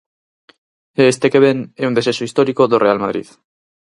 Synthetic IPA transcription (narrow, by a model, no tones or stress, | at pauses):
est̪ekeβ̞eneund̪esesoist̪oɾikoðorʔealmaðɾḭð